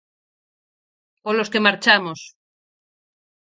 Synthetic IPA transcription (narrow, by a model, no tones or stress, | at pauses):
oloskemaɾt͡ʃamos